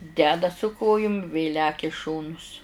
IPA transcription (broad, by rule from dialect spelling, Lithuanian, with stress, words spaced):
ˈdʲæːdɐ sʊ ˈkoːjʊm ʋʲeː ˈlʲæːkʲɛ ɪ ˈʃoːnʊs